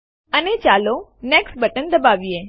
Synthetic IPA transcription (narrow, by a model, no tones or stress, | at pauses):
ənet͡ʃalonɛksʈ̚bəʈənd̪əbaʋije